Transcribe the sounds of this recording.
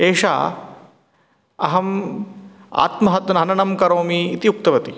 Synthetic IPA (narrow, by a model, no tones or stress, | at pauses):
eːʂa̰ː | ɐɦɐm | a̰ːt̪mɐɦɐt̪ɐnɐɦɐnɐnɐmkɐɾoːmiːt̪iuk̚t̪ɐʋɐt̪i